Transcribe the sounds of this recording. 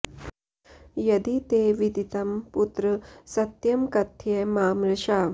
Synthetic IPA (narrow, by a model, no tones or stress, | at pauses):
jɐd̪it̪eʋid̪ʱit̪ɐmput̪ɾəsɐt̪jɐmkɐt̪ʰjemaːmɾɐʃaː